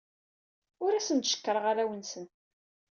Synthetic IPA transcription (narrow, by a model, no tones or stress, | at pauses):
ʊɾæsənt̪ʃə̥kːəɾˤəʁaɾæwənsən